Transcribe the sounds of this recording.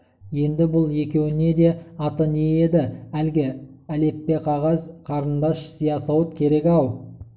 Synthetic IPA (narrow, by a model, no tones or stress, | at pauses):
je̞nd̪ɪbʊlˠje̞kʲe̞wɪne̞d̪e̞ɑt̪ənejed̪ɪælɡʲɪ | æle̞pːe̞qʰɑʁɑzqʰɑɾənd̪ɑʃsijɑsɑwət̪kʲʰe̞ɾe̞kʲɑw